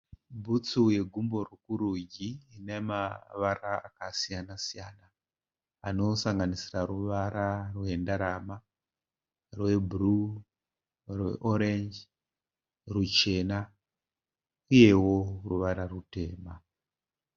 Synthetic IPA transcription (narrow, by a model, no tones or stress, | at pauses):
bʱut͡suje̞ɡʱumbo̞rukuɾuɟiːne̞maʋaraa̰kasijanasijana | ano̞saŋɡanisiraruʋaɾarwe̞ndaɾama | rwe̞bʱuru | rwḛʔoɾend͡ʒ | rut͡ʃe̞na | uje̞wo̞ruʋaɾarute̞ːma